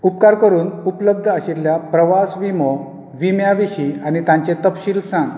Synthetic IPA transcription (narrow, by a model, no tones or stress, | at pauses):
upkaɾkəɾuːnupləb̚d̪ʱəəɕilːjapɾəʋasʋimɔ | ʋimjaʋiɕiañit̪ãɲt͡ɕẽt̪əpɕiːlsãŋɡ